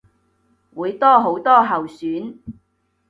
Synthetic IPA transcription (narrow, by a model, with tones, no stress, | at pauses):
wuː˨˧jt̪ɔː˥ɦo˨˥wt̪ɔː˥ɦɐ˨wsyː˨˥n